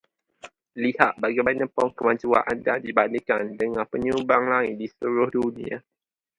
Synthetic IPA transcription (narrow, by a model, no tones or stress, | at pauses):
lihaʔbaɡibanə̃pɔŋkəmãɲd͡ʒua̰ʔandadibanika̰ndəŋãnpəɲumbaŋlaŋɪt̪̚dist̪uɾʊhdunḭ̃a̰